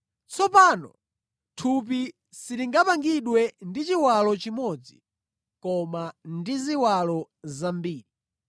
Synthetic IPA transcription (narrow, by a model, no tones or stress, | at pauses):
t͡sɔpaːnɔ | tʰup̬i | siɾiŋɡapaŋɡiɗwɛndit͡ʃiwalɔt͡ʃimɔd͡zi | kɔmandiziwalɔzambiːɾi